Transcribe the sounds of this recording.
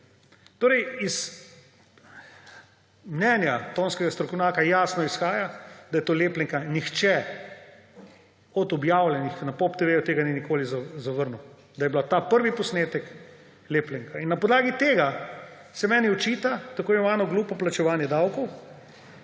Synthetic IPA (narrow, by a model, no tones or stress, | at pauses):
t̪oːɾɛjis | mnɛːnjat̪oːnskɛɡast̪ɾɔkɔwnʲjaːkajaːsnɔisxaːjad̪ɐjɛt̪oːleːplɛŋkanixt͡ʃɛ | ɔd̪ɔbjaːwlʲɛnixnapopt̪eʋeːjut̪eːɡaninikoːlizzaʋəɾnu | d̪ɐajɛblat̪aːpəɾʋipɔsneːt̪ɛk | leːplɛŋkainːɐpɔd̪laːɡit̪eːɡa | sɛmɛːniɔt͡ʃiːt̪at̪akoːjɛmaːnɔɡluːpɔplat͡ʃɛʋaːnjɛd̪awkɔw